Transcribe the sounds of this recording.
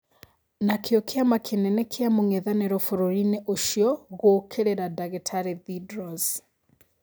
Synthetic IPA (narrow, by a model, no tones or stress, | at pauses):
nakʰeɔkʰeamakʰenɛnɛkʰeamoŋeðaneɾɔfoɾoɾineʔoʃiɔɣoːkʰeɾeɾadaɣetʰaɾeðidɾɔz